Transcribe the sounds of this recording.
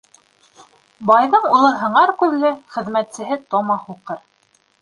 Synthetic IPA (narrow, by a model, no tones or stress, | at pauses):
bɑjðɤɴulˠɤɦɤ̆ɴɑɾkʉðlɘχɘ̆ðmæt̪sɘ̆ɦɘt̪omɑhuqɤɾ